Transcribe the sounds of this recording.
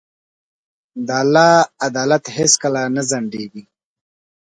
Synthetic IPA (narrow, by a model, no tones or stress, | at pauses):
d̪alaːad̪aːlat̪heskalanazaɳɖeɡi